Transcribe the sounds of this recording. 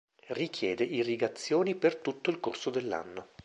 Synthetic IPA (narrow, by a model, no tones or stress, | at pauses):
rikjɛːd̪eʔirːiɡat̪sːjoːnipert̪ut̪ːoilkorsod̪elːa̰nːo